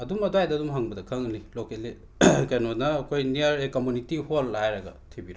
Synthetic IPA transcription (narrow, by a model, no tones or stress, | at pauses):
ɐdumɐduajdɐdumɦaŋbɐdɐkʰɐŋnilokele | kɐjnonɐːkʰojniɐɾekomunitiholːajɾɐɡɐ̰tʰebiɾ